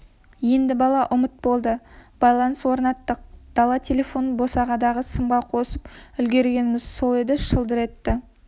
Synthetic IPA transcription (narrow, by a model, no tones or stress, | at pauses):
je̞nd̪ɪbɑlˠɑʔʊmət̪̚bo̞lˠd̪əb̥ɑjlˠɑnəswo̞ɾnɑt̪ːəq̚d̪̥ɑlˠɑt̪ʲʰe̞lʲe̞fo̞nbo̞sɑʁɑd̪ɑʁəsəmʁɑqʰo̞səpʏlɡʲe̞ɾɡʲe̞nɪmɪz̥so̞lˠe̞d̪ɪʃəlˠd̪əɾe̞t̪ːɪ